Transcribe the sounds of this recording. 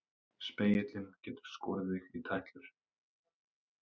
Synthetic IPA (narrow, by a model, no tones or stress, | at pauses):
speːjɪt̪lɪmcɛːt̪ʏ̥ɾ̥skɔːɾðɪɣit̪ʰajht̪lʏɾ̥